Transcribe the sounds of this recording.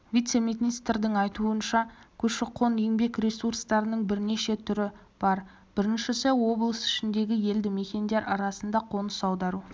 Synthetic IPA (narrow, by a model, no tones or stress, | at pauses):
vijt̪se̞mit̪nʲist̪rd̪ɪŋɑjt̪uənʃɑkʲʰɵʃɪqʰo̞nje̞ŋbe̞krʲe̞surst̪ɑɾənəɴbɪɾne̞ʃe̞t̪ʰʏɾɪ | b̥ɑɾ | b̥ɪɾɪnʃɪsewo̞blˠəsɪ̥ʃɪnd̪e̞ɡʲɪje̞ld̪ɪme̞kʲe̞nd̪e̞ɾɑɾɑsənd̪ɑqʰo̞nəsɑwd̪ɑɾu